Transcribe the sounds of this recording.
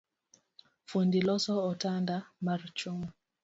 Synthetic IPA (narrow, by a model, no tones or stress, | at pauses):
fundilɔsɔɔtandamart͡ʃom